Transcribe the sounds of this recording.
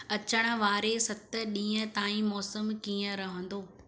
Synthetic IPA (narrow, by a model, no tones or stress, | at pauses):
ɐt͡ɕəɽ̃ə̆ʋaːɾesɐt̪ə̆ɗĩːə̃t̪aːĩmɔːsəmkiːə̃ɾɐɦə̃n̆d̪oː